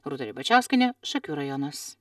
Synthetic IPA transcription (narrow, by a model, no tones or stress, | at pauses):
ɾut̪ɐɾʲibɐt͡ʃʲæˑʊsʲkʲɐnʲɛʃɐkʲuːɾɐjɔnɐs